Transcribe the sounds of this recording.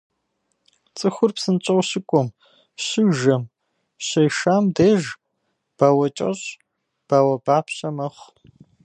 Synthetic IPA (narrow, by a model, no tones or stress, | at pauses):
t͡sʼɨxʷʊrpsɨnt͡ʃʼɐwɕɪkʷʼɔm | ɕɪʒɐm | ɕɐjʃaːmdeːʒ | b̥aːwɐt͡ʃʼɐ̰ɕ | b̥aːwɐbaːpɕɐmɐχʷ